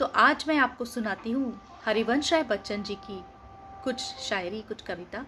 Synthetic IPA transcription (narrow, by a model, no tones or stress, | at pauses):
t̪oːʔaːd͡ʒmɛ̃aːp̚kosʊnaːt̪iɦũ | hɐɾiʋɐnʃabɐtːʃənd͡ʒiːki | kʊt͡ʃʰʃaːjɾikʊt͡ʃʰkɐʋɪt̪aː